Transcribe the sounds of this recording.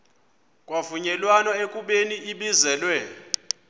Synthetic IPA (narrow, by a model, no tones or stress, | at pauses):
kʼwavuɲɛlwanɔekʼuɓeniiɓizɛːlwɛ